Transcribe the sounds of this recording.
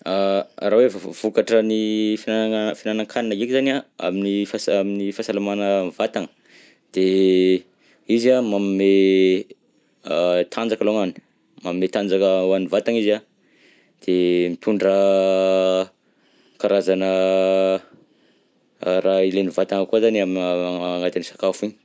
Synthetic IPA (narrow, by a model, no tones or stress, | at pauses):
arawefv̥ukaʈ͡ʂənifiafinanaŋkʰaninaɡekizanaa̰minifasaminifasalamanəvat̪aŋə̥ | d̪̥e | izamamime | t̪ʰand͡zakəloŋani̥ | mamiːet̪and͡zakəanivat̪aŋiza | d̪̥emipʲuɳɖ͡ʐa | kaɾazanə | ɾailenivat̪aŋəkuazaniamiaaŋat̪anisḁkafiɲ